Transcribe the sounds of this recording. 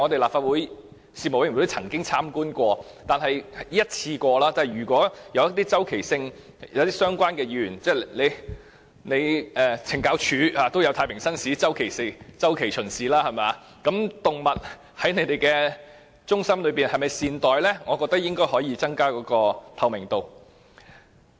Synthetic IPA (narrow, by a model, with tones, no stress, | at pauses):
ŋɔː˨˧t̪e˨laː˨pfaː˧t̚wuː˨˥j | siː˧tmo˨˩wt̪o˥t͡sʰɐ˨˩ŋkɪ˥ŋt͡sʰaː˥mkuː˥nkʷɔː˧ | t̪aː˨nɦɐ˨jiː˥jɐ˥t̚t͡sʰiː˧kʷɔː˧laː˥t͡saː˨ɐ˨jɥyː˨˩kʷɔː˨˥jɐ˧wjɐ˥t̪̚iː˥t͡sɐ˥wkʰe˨˩jsɪ˧ŋ | jɐ̰˨˧wɐt̪iː˥sœː˥ŋkʷwaː˥nkɛː˧jyː˨˩nt͡sɛː˥˩ne˨˧j | ne˨˧jʔɛː˨t͡sʰɪ˨˩ŋkaː˨˥wt͡ʃʰyː˨˥aː˨˧t̪o˥wjɐ˧wt̪ʰaː˧jpʰɪ˨˩ŋsɐ˥nsi˨˥t͡sɐ˥wkʰe˨˩jsɪ˧˩t͡sɐ˥wkʰe˨˩jt͡ʃʰɵ˨˩nsiː˨laː˥hɐ˨jmɛaː˨˧ | kɐ˨˥mt̪ʊ˨ŋmɐ˨t̚ | hɐ˨˥jne˨˧jt̪e˨jkɛː˧ | t͡sʊ˥ŋsɐ˥mlɵ˨˧ɥpiː˨˩nhɐ˨jmɐ˨jsiː˨nt̪ɔː˨jlɛː˥ŋɔː˨˧kɔː˧k̚t̪ɐ˥k̚jɪ˥ŋkɔː˥jhɔː˨˥jiː˧t͡sɐ˥ŋkaː˥kɔː˨˥kɔː˧t̪ʰɐ˧wmɪ˨˩ŋt̪o˨w